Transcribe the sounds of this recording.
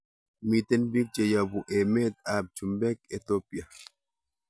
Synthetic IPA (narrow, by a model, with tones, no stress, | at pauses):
mi˨t̪ɛ˦nbi˦k̚t͡ʃe˨ja˨bu˨ʔɛ˨me˦t̪a˨b̚t͡ʃu˨mbɛ˦ke˨t̪o˦pja˨